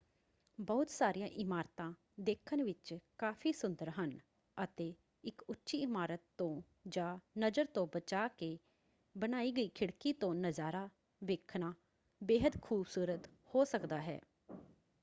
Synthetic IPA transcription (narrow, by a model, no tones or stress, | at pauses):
bɔːʊt̪saːɾijãːʔɪmaːɾt̪ãː | d̪eːkʰənʋɪt͡ʃkaːpʰiːsʊnd̪əɾɦən | ət̪eː | ɪkʊtːʃiːɪmaːɾət̪ːõː | d͡ʒaːnəzəɾt̪õːbət͡ʃaːkeː | bəñaːiːɡəiːkʰɪɽkiːt̪õːnəzaːɾaː | ʋeːkʰnaː | beːɦəd̪kʰuːbsuːɾət̪ | hoːsəkd̪aːɦɛ̰ː